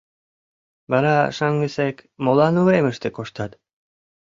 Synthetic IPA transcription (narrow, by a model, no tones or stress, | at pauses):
baɾaʃaŋɡesekmolɑnueməʃt̪ekoʃt̪at̪